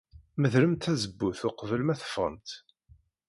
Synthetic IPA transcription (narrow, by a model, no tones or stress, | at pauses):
məðɾəmt̪æzəbːuθʊqəvəlmæθə̥fə̰nt̪